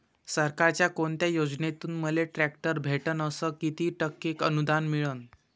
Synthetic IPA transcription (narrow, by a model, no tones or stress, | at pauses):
səɾkaɾt͡ɕjakoɳt̪jajod͡znet̪uːnməleʈɾæk̚ʈəɾbʱeʈənəsəkit̪iːʈəkːekənud̪anmiɭən